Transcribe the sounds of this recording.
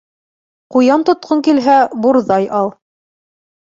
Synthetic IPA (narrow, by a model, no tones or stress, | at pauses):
qujɑnt̪ŏt̪̚qʰoŋkilɦæbuɾðɑjʔɑlˠ